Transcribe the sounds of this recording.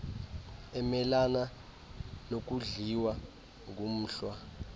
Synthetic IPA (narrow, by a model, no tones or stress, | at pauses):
ɛmɛlana | nok̬ʼuɮiwa | ŋum̩ːɬwa